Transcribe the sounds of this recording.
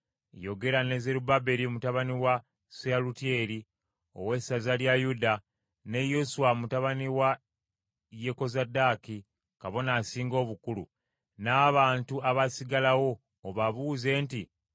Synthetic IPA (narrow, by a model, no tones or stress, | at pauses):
jo̞ɡe̞ɾane̞ze̞ɾubabe̞ɾiomutaβaniwa | sealutie̞ɾi | o̞̰we̞sazaljajuda | ne̞josuwamutaβaniwa | je̞ko̞zadaki | kaβo̞naːsiːŋɡo̞ːβukulṵ | naːβaːntuaβasiɡalawo̞ː | βaβuze̞ːnti